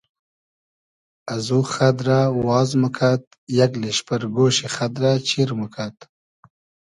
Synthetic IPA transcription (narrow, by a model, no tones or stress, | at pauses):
azuxad̪ɾawwɑːzməkʰat̪̚ | jaɡleʃpaɾɡoːʃixad̪ɾat͡ʃiɾməkʰat̪